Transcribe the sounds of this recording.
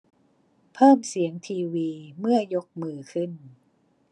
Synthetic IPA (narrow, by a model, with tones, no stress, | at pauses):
pʰɤː˥˩msi˩˦əŋt̪ʰiː˧wiː˧mɯ˥˩ɐjo˦˥k̚mɯː˨˩kʰɯ˥˩n